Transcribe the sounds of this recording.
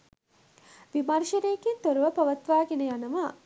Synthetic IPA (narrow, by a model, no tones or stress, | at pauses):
ʋimɐɾʃenejkint̪oɾuʋɐpɐʋɐt̪ʋaːɡenɐjanɐʋa